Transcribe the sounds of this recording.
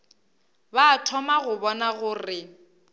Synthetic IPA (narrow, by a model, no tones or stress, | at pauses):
baːtʰɔmaɣʊbɔnaɣʊrɪ